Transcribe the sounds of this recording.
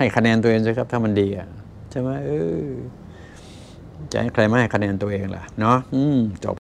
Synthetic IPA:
ha˨˩jkʰa˧nɛː˧nt̪u˧ʔeː˧ŋskʰa˧p̚t̪ʰaː˧˩ma˧˥ndiː˧ʔa˨˩ | t͡ɕʰa˧˩˦maː˧˥˧ʔɤː˧˩ | t͡ɕa̰˨˧˩ha˧˩jkʰɾa˧˩jmaː˧a˨˩jkʰa˧nɛː˧nt̪u˧ɐʔeː˧ŋla̰˧˦ʔnɔ˦˥ʔʔɯː˧mt͡ɕɔ̰˨˩p̚

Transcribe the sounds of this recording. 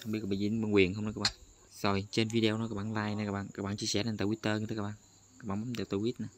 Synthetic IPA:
hə˧ŋ͡mɓi˦˥t̚k̚ːɓaː˧˨zḭ˧˦mə˧˩ŋwi˨˩ənhə˧wŋ͡mnɔ˨˦kaː˧˥ɓa̰ː˨n | zo˨˩jt͡ɕe˧nvi˧ɗe˧nɔ˨˦kaː˦˥k̚ɓaː˨˩nlaː˧jna˨˦kaː˦˥k̚ɓa̰ː˧˨nkaː˦˥k̚ɓaː˧˨nt͡ɕi˧əsɛ˧˩ne˧nt̪aː˧˩wi˦˥t̪əː˧ɲɨ˧t̪ʰːaː˧k̚ɓaː˧˨ | ka˦˥ɓa̰ː˧˨ma˧˦˩t̪aː˧˩t̪o˧wi˦˥t̪̚naː˨˩

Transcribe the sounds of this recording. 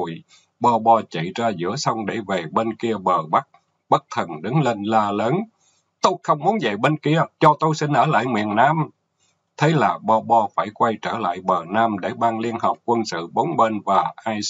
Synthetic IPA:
j | ɓɔ˧ɓɔ˧t͡ɕḭ˧˨zaː˧zɨ̰˧˥əsɔ˧wŋ͡mɗe˧˩ve˨˩ɓe˧nki˧əɓəː˨˩ɓa˦˥k̚ | ɓə˦˥k̚t̪ʰə˨˩nɗɨ˨˦ŋle˧nlaː˧ləː˨˦n | t̪o˧jxə˧wŋ͡mmu˨˦ənzə̰˧˨jɓe˧nki˧ət͡ɕɔ˧t̪o˧jsï˧ŋ̟ʔəː˧˩la̰ː˧˨jŋwḭ˧˨ənːaː˧m | t̪ʰe˨˦laː˨˩ɓɔ˧ɓɔ˧faː˧˩jkwa˧jt͡ɕəː˧˩la̰ː˧˨jɓəː˨˩naː˧mɗe˧˩ɓaː˧ŋli˧ənɦə˨˩p̚kwə˧nsɨ̰˧˨ɓo˨˦ŋ͡mɓe˧nvaː˨˩ʔaː˧j

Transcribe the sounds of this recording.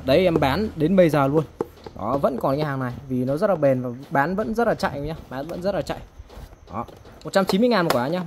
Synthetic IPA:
ɗə˨˦jʔɛ˧mɓaː˨˦nɗe˨˦nɓə˨˧˩jzaː˨˩lu˧ən | nɔ̰˨˦və̰˧˥nkɔ˨˩n˨˧˩haː˨˩ŋna˨˩jvi˨˩nɔ˨˦zə˦˥t̚laː˨˩ɓe˨˩nvaː˨˩ɓaː˨˦nvə̰˧˥nzə˦˥t̚laː˨˩t͡ɕa̰˧˨jʔɲaː˧ɓaː˨˦nvə̰˧˥nzə˦˥t̚laː˨˩t͡ɕa̰ː˧˨jʔɔ˨˦ | mo˨˩t̚t͡ɕa˧mt͡ɕi˨˦mɨ˧əjŋaː˨˩nmɔ˨˩kwaː˨˦ɲaː˧

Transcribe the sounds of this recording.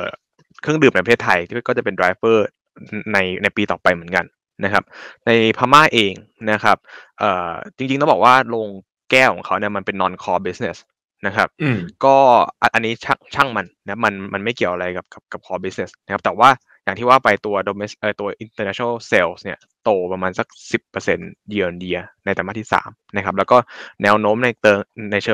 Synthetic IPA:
ʔəː˨˩ | kʰɯ˥˩əŋdɯː˨˩mna˧jpa˧tʰeː˥˩t̪ʰːa˧j̪ʰkɔ˥˩t͡ɕa˨˩pe˧ndɾaː˧˦jfɤː˥˩ | na˧jna˧jpiː˧t̪ɔː˨˩pa˧jmɯ˩˦ə˦nka˧n | na˦˥kʰa˦˥p̚na˧jpʰaː˧maː˥˩ʔeː˧ŋna˦˥kʰa˦˥p̚ʔɤː˨˩t͡ɕi˧ŋt͡ɕi˧ŋʰ˥˩bɔː˨˩k̚waː˥˩loː˧ŋ | kɛː˥˩kʰɔ̰ː˨˩˦ŋkʰa˦˥wni˥˩ɐma˧npe˧nːɔː˧nkʰɔː˧bi˦˥sne˧˩s | na˦˥kʰa˦˥p̚kɔː˥˩ʔa˧ʔa˧nːiː˦˥t͡ɕʰa˥˩ŋt͡ɕʰa˥˩ŋma˧nna˧˥kʰa˥pma˧nma˧nma˥˩jki˨˩əwʔa˧ɾa˧jka˨˩p̚ka˨˩p̚ka˨˩p̚kʰɔː˧bi˦˥sne˨˧˩sna˥kʰa˦˥p̚t̪ɛː˨˩waː˥˩ | ja˨˩ŋt̪ʰiː˥˩waː˥˩pa˧jt̪u˧ɐdo˧me˦˥sʔəː˨˩t̪u˧ɐʔi˧nt̪əː˧nɛ˦˥˦na˥˩seː˧wsni˥˩ɐ | t̪oː˧pɾa˧maː˧nsa˨˩k̚si˨˩pːɤː˧se˧nji˧ə˧i˧ndi˧ɐna˧jt̪ɛː˨˩ma˥˩t̪ʰiː˥˩sa̰ː˩˦mna˦˥kʰa˦˥p̚lɛː˦˥wkɔː˥˩nɛː˦˥wnoː˦˥mna˧jt̪ɤː˧na˧jt͡ɕʰɤː˧

